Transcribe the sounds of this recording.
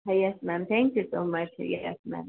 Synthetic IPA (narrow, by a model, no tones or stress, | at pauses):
ɦajɛsmæ̃mθæ̃ŋkjɨsoʊmʌt͡ʃhjɛsmæ̰̃m